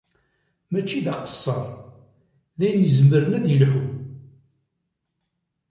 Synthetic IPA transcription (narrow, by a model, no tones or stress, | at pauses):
mæt͡ʃːiðɑqə̥sˤːɑɾˤ | ðæjənjəzəmːəɾənæðjəlħu